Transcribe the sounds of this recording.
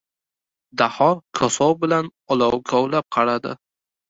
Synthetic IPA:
d̪ahɒɾkʰɒsɒwbɪlanɒlˠawkʰɒwlap̚qʰɑɾad̪ɪ

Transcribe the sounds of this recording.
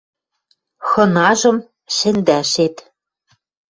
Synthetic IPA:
xɤ̆nɑʒɤ̆m | ʃɘ̆nd̪æʃet̪

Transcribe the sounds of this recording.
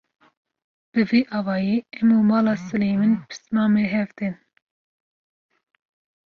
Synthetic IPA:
b̥ɨviːʔɑːvɑːjeːɛmuːmɑːlɑːsɨleːmɨnpʰɨ̥smɑːmeɦɛvd̪ɨn

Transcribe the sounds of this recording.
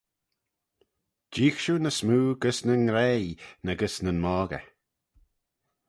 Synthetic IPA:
d͡ʒiːxʃunəsmuːɡəsnənɾejnəɡəsnənmɔːɡə̰

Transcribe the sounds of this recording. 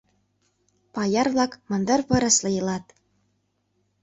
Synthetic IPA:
pɑjɑɾvlˠɑkmɤ̆nd̪ɤ̆ɾpɤ̆ɾɤ̆slˠɤ̆jɤ̆lˠɑt̪

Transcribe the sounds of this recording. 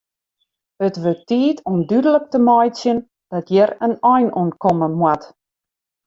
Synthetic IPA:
ətʋøtːiːtʰɔmdydələk̚təmajtsjən | d̥ɔtʰjɛɾənɔjnunkɔməmwat

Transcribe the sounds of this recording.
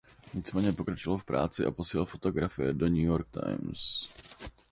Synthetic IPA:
ɲɪt͡smɛːɲɛpo̞kɾat͡ʃovalofpɾʔa̰ːt͡sɪʔa̰posiːlfo̞t̪o̞ɡɾafɪjɛdoɲujo̞ɾk̚t̪a̰jms

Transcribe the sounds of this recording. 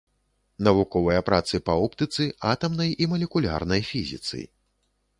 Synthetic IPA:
nɐvukɔvɐjɐpɾat̪sɨpɐupt̪ɨt̪sɨat̪ɐmnɐjimɐlʲɛkulʲa̰rnɐjfʲizʲḭt̪sɨ̰j

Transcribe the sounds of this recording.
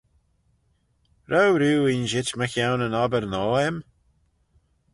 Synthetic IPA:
ɾowɾuːinʒɪt͡ʃməxjawnənɔbəɾnɔːɛm

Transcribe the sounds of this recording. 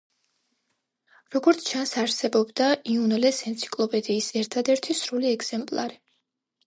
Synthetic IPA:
ɾɔɡɔɾt̪sʰt͡ʃʰansaɾsɛbɔbd̪aiunɛlɛsɛnt̪sʰi̥kʼlˠɔpʼɛd̪iːsɛɾt̪ʰad̪ɛɾt̪ʰisɾuliɛɡz̥ɛmpʼlˠa̰ɾi

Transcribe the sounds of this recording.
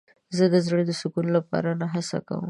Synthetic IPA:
zəd̪əzəɽd̪əsʊkunlapɑ̰ɾanaɦasa̰ka̰wə̰m

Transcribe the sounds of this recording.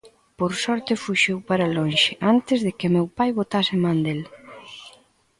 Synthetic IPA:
poɾsɔɾt̪ɪfuʃewpaɾalonʃɪʔant̪ɪzðekɪmewpajβot̪asɪmãnd̪el

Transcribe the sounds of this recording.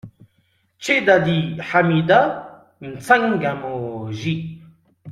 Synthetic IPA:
t͡ʃed̪ad̪iħamid̪a | n̩t͡saŋɡamoʒi

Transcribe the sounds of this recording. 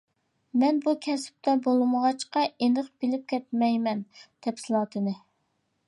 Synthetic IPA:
mɛnbukʲʰɛsɪ̥p̚t̪ʰɛbolˠɨməʁɑt͡ʃqɑʔenəχbɪlɪp̚kʲɛt̪̚mɛjmɛnt̪ʰɛpsɪlˠɑːt̪ʰɨnɨ

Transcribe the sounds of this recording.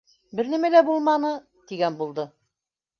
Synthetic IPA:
bɘ̆ɾnæmælæbulˠmɑnɤ | t̪iɡænbulˠd̪ɤ

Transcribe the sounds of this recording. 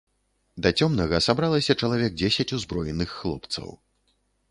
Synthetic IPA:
d̪ɐt͡sʲɔmnɐɣɐsabɾalˠɐsʲɐt͡ʂɐlˠavʲɛk̚d͡zʲesʲɐt͡sʲuzbɾɔjɛnːɨxːlˠɔ̰p̚t̪sɐ̰w

